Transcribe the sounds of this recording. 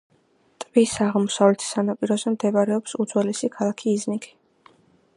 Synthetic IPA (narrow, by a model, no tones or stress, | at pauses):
t̪ʼvisaʁmɔsavlɛt̪ʰsanapʼiɾɔzɛmd̪ɛbaɾɛɔpsud̪z̥wɛlɛsikʰalˠakʰiːznikʰi̥